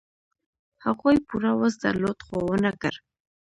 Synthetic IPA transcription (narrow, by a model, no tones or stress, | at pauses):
haɣojpuɾawəsd̪a̰ɾlod̪xowənakə̰ɾ